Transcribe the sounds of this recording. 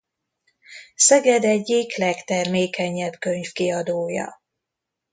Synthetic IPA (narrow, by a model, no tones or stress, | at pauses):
sɛɡɛd̪ɛɟːiklɛkt̪ɛrmeːkɛɲːɛbkøɲfkiɒd̪oːjɒ̰